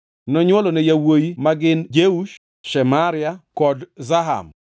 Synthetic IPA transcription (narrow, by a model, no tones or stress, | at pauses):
nɔɲwɔlɔnɛjawojimaɡɪnd͡ʒeuʃ | ʃɛmaɾɪakɔdzaɦa̰m